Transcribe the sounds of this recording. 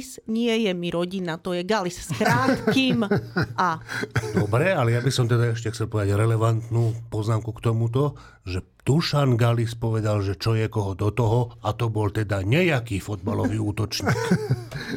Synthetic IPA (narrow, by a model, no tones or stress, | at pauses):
sɲɪɛjɛmiɾɔɟinat̪ɔjɛɡalisskɾaːt̪kiːmʔad̪ɔbɾɛalɛjabisɔmt̪ɛd̪aɛʃcɛxt͡sɛlˠpɔʋɛd̪aɟɾɛlɛʋant̪nuːpɔznaːmkukt̪ɔmut̪̬ɔ | ʒɛ | t̪uʃanɡalispɔʋɛd̪alʒɛt͡ʃɔjɛkɔɦɔd̪ɔt̪ɔɦɔat̪ɔbɔlt̪ɛd̪aɲɛjakiːfɔd̪̚balɔʋiːuːt̪ɔt͡ʃɲiːk